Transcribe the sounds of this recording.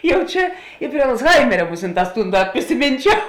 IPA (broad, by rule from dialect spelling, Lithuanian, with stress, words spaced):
ˈjɛʊ ˈt͡ʃʲɛ ɪ pʲrʲiɛ ɐlˠd͡zˈɣɐɪmʲɛrʲɛ ˈmʊsʲɪnˌtɑːs ˈtuːn ˈdɐt pʲrʲɪsʲɪˈmʲiːnʲt͡ʃʲɛʊ